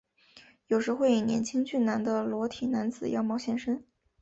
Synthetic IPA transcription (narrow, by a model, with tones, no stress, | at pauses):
jo˨˩ʊʂɻ̩˧˥xwe˥˩ɪi˨˩njɛ̰˧˥nt͡ɕʰi˥ŋt͡ɕy˥˩na˧˥nd̪ə˧lwɔ˧˥t̪ʰi˨˩na˧˥nt͡sɹ̩˨˩jɑ̰˥˧ʊmɑ˥˧ʊɕjɛ˥˧nʂə˥n